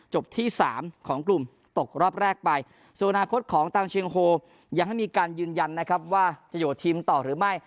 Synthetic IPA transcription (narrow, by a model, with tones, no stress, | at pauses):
t͡ɕo˨˩p̚t̪ʰiː˥˩saː˩˦mkʰɔː˩˦ŋklu˨˩m | t̪o˨˩k̚ɾɔː˥˩p̚ɾɛː˥˩k̚pa˧j | su˨˩ʔnʔnaː˧kʰo˦˥t̪̚kʰɔː˩˦ŋt̪ʰaː˧ŋt͡ɕʰi˧əŋɦoː˧ | ja˨˩ŋha˥˩jmiː˧kaː˧njɯː˧nja˧nːa˦˥kʰa˦˥p̚waː˥˩t͡ɕa˨˩joː˨˩t̪ʰiː˧mt̪ɔː˨˩ɾɯː˩˦ma˥˩j